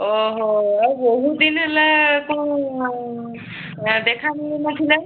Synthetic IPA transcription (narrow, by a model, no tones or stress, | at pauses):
ɔɦɔaɹuboɦud̪inɦɛlɛkɔ̃ | d̪ɛkʰaninɔkʰilɛ